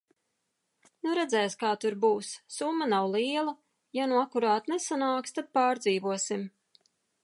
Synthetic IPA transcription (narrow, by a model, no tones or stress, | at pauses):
nuɾɛd̪zɛjskaːt̪uɾbuːssumːanawlˠiɛlˠa | januakːuɾaːt̪nesanaːkst̪ad̪̥̚paːɾd̪ziːvuɔsim